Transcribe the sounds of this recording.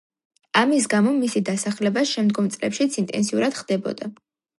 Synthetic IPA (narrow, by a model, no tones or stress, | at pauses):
amis̬ɡamɔmisid̪asaχlɛbasʃɛmd̪ɡɔmt̪sʼlɛpʃit̪sʰint̪ʼɛ̰nsiuɾad̪̥χd̪̥ɛbɔ̰d̪a